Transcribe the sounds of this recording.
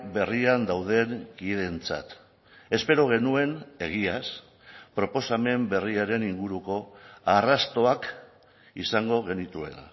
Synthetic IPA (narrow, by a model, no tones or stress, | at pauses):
be̞riand̪awð̞e̞ŋkiðe̞nt͡sa̰t̪ | e̞spe̞ɾo̞ɣ̞e̞nue̞ne̞ɣ̞ias | pɾo̞po̞same̞mbe̞riaɾe̞niŋɡuɾuko̞arast̪o̞ak | isaŋɡo̞ɣ̞e̞nit̪ue̞̰na̰